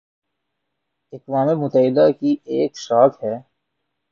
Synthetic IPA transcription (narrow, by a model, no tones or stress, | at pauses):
ɪkʋaːmemʊt̪əɦɪd̪akieːkʃaːk̪ɦɛː